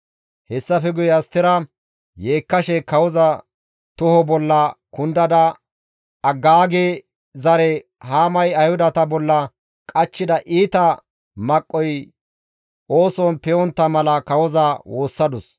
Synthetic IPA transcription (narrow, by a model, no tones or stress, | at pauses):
hɛsːɐfɛɡʊjɛɐst̪ːɪɾɐ | jeːkːɐʃɛkɐwɔzɐ | t̪ʊhɔbɔlːɐkʊnd̪ɐd̪ɐ | ɐɡːaːɡe | zɐɾɛ | haːmɐjɐjhʊd̪ɐt̪ɐbɔlːɐ | kʼɐt͡ʃːɪd̪ɐʔiːt̪ɐ | mɐkʼːɔj | o̞ːsɔnpɛɔnt̪ːɐmɐlɐkɐwɔzɐwo̞ːsːɐd̪ʊs